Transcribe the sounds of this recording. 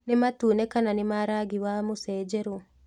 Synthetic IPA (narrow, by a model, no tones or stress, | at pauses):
nɪmatuːnɛkananɪmaɾaɡiwamosɛːd͡ʒɛɾo